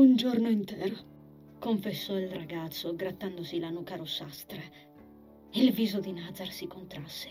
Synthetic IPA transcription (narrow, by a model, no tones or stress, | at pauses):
und͡ʒornoint̪ɛːɾo | koɱfesːɔilraɡat̪sːoɡɾat̪ːand̪osilanukaɾosːast̪ɾe | ilviːzod̪inad̪zarsikont̪ɾasːe̥